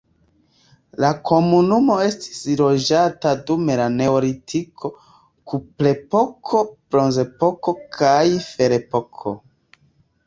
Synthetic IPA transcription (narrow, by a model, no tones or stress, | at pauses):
lakʰo̞munumo̞e̞sti̥slo̞d͡ʒatadume̞lane̞oɾitʰikʰo̞ | kuple̞po̞kʰo̞b̥ɾo̞nze̞po̞ko̞kʰajfe̞ɾe̞po̞kʰo̰